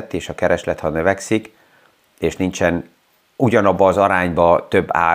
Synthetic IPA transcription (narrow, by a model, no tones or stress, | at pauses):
t̪ːeːʃɒkɛɾɛʃlɛt̪hɒnø̞vɛksik | eːʃnint͡ʃɛn | uɟɒnɒbːɒːzɒɾaːɲbɒt̪øbːa̰ː